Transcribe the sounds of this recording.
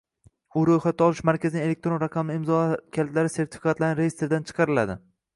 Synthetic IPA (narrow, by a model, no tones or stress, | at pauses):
ʊɾojχat̪ʰːɒlˠɪʃmaɾkʲazɪnɪŋe̞lek̚ʲt̪ɾo̞nɾaqʰɑmnɪɪmzɒkʲʰalt̪laɾɪse̞ɾt̪ʰɪ̥fi̥kʰat̪laɾnɪɾejest̪eɾd̪ant͡ʃʰɨ̥qʰɑɾɪla̰d̪ɪ